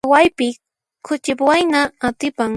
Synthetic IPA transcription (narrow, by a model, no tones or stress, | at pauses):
wajpɪ | kʰʊt͡ʃɪpwajnaːt̪ɪpaŋ